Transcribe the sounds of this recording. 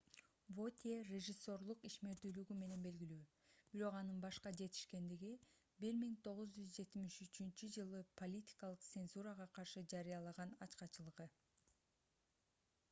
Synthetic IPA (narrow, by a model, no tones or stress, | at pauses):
vot̪ʲerʲeʒɨsːo̞ɾlˠuqiʃme̞ɾd̪yːlyɡyme̞ne̞nbe̞lɡilyː | b̥iɾo̞qɑnɯnbɑʃqɑd͡ʒe̞t̪i̥ʃke̞nd̪iɡi | biɾmiŋt̪ʰo̞ʁɯzd͡ʒyzd͡ʒe̞t̪imiʃyt͡ʃynt͡ʃyd͡ʒɯlˠɯpʰo̞lʲit̪ʲi̥kɑlˠɯq̚t̪se̞nzuɾəʁɑqʰɑɾʃɯd͡ʒɑɾɯjɑlˠɑʁɑnɑt͡ʃqɑt͡ʃɯlˠɯʁɯ